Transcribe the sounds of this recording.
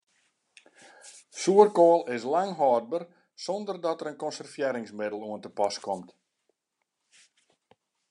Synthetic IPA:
suərkoːlˠɪs̬laŋɦɔːd̚bər | sɔndərdɔtəɾənkɔnsərfjeːɾɪŋsmɪdəlˠuəntəpɔskɔmt

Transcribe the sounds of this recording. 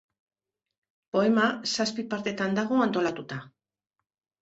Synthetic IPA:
po̞e̞masaspipaɾt̪e̞t̪and̪aɣ̞o̞ant̪o̞lat̪ut̪a

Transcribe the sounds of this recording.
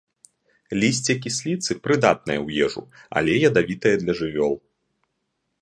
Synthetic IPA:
lʲisʲt͡sʲɛk̬ʲisʲlʲit̪sɨpɾɨd̪at̪̚nɐjɐwjɛʐṵa̰lʲɛjɐd̪avʲit̪ɐjɐd̪lʲɐʐɨvʲɔlˠ

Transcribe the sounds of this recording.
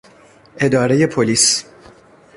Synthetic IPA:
ʔe̞d̪ɒːɾe̞je̞pʰoliːs

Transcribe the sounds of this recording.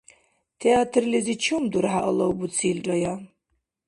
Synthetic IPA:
t̪ʰeat̪ʰrlizit͡ʃʰumd̪uɾħaʔəlˠɐwbut͡sʰilrɐja

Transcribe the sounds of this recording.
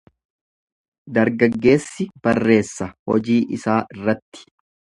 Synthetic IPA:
d̪ɐɾɡɐɡːe̞ːsːɪb̥ɐrːe̞ːsːɐhɔd͡ʒiːʔɪsaːʔɪrːɐt̪ːɪ̥

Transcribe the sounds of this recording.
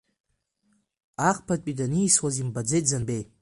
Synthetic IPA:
aqʰʼpʰat̚ʷʼidaniːswazimbad͡zejtʼzanbej

